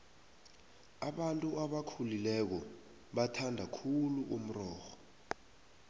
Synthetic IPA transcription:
aɓantʼuaɓakʰulilɛk̬ɔ | ɓatʰandʱakʰuluʔom̩rɔːxɔ̥

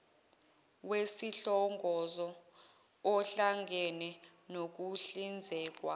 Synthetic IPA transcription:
wesiɬɔŋɡʱɔzɔ | ɔɬaŋɡʱɛnɛ | nok̬uɬind͡zʱɛːk̬wa̰

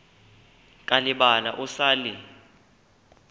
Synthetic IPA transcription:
kʼalɪɓalaʔusaːli

